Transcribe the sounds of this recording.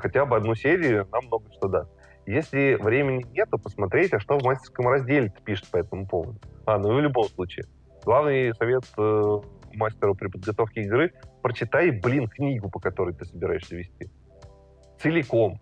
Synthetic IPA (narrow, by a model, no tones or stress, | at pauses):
xɐtʲabɨɐd̪nusʲeɾʲɪʊnamːno̞ɡəʂt̪od̪asʲt̪ | jesʲlʲɪvɾʲemʲɪnʲɪnʲe̞t̪ʊpəsmɐt̪ɾʲetʲɐʂt̪o̞vmasʲtʲɪ̥rskəmrɐzʲdʲelʲɪt̪ɨ̥pʲiʂɨ̥t̪̚pɐɛt̪əmʊpo̞vəd̪ʊanuvlʲʊbo̞mslˠut͡ɕɪɪ̰ | ɡlˠavnɨjsɐvʲe̞t̪əmasʲtʲɪɾəpɾʲɪpəd̪ɡɐt̪o̞fkʲɪːɡɾɨpɾət͡ɕɪt̪ajblʲinknʲiɡʊpəkɐt̪o̞ɾɨjt̪ɨsəbʲɪɾa̰ɪʂsʲəvʲɪsʲtʲi | t̪sɨlʲɪko̞m